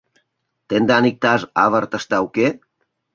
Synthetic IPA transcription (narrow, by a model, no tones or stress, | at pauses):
t̪end̪anik̚t̪aza̰βaɾt̪ast̪awke